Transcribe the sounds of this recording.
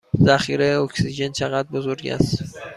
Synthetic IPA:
zæχiɾeokʲsiʒent͡ʃʰeɣat̪̚bozoɾɡæ̰st̪

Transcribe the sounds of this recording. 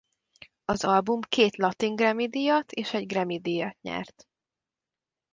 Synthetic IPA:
ɒzɒlbumkeːt̪lɒt̪iŋɡrɛmid̪ijɒt̪ʰeːʃɛɟɡrɛmid̪ijɒt̪ɲɛ̰rt̪

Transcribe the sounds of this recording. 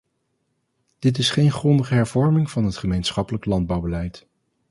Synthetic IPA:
d̥ɪt̬ɪsχejnχrɔndəχəɦɛɹvɔɹmɪŋv̥ɑnɦətχəmejnsχɑpələklɑnd̚bɑwbəlɛjt

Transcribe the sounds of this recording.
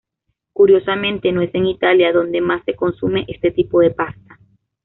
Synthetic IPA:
kuɾjo̞samẽnt̪e̞noe̞se̞ŋit̪aljaðo̞nd̪emasːe̞ko̞nsume̞ʔe̞st̪e̞t̪ipoðe̞past̪ḁ

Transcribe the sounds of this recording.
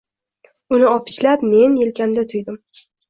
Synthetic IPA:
ʊnɪɒpʰɪ̥ʃlapme̞njelkʲamd̪at̪ʰʊjd̪ɪm

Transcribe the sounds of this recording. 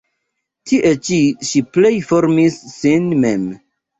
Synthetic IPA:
tʰiʔet͡ʃiʃiplejfoɾmisːinmem

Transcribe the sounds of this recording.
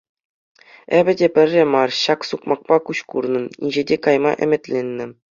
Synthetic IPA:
ebʲɘ̆dʲepʲɘ̆rʲːemɑrɕɑksukmɑk̚pɑkuɕkurnɤ̆nḭnʲʑĕdʲekɑjmɑ̰ʔɘ̆mʲɘ̆tʲlʲenʲːɘ̆

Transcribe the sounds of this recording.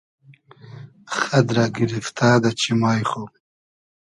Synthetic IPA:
xad̪ɾaɡiɾift̪aːd̪at͡ʃʰimaːjxo

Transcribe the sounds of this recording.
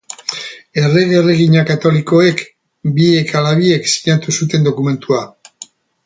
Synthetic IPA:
e̞reɣereɣ̞iɲakat̪o̞liko̞e̞k | bie̞kalaβie̞ksi̥ɲat̪usut̪e̞nd̪o̞kume̞nt̪ua

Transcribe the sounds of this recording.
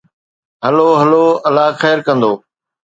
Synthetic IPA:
ɦəloːɦəloːəlaːxɛːɾkə̃nd̪oː

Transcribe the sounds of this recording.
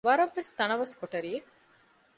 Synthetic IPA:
ʋɐɾɐʋːest̪ɐnɐʋɐskoʈɐɾije

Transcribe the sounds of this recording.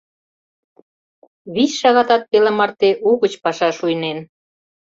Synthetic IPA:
βisʃɑɣɑt̪ɑt̪̚pelemɑrt̪eʔuɣət͡ɕpɑʃɑʃujnen

